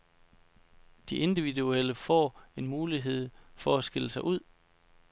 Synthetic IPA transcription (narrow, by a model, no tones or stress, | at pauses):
d̥iʔe̝nd̥iʋidueləfɒ̰ːe̝nmuːliɦe̝ð̞̰ˠfɒ̽æsɡ̥e̝l̰əsɑ̈ɪʔuð̞̰ˠ